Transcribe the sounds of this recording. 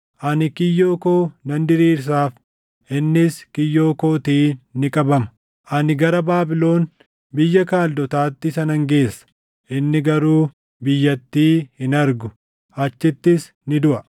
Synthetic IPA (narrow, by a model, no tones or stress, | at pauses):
ʔɐnɪkɪjːo̞ːko̞ːnɐnd̪ɪɾiːɾs̬aːf | ʔɪnːɪskɪjːoːko̞ːt̪iːnːɪkʼɐbɐmɐ̥ | ʔɐnɪɡɐɾɐbaːbɪlo̞ːn | bɪjːɐkaːld̪ɔt̪aːt̪ːɪsɐnɐŋɡe̞ːsːɐ̥ | ʔɪnːɪɡɐɾuː | bɪjːɐt̪ːiːhɪnɐɾɡʊ | ʔɐt͡ʃːɪt̪ːɪs | nɪd̪ʊʔɐ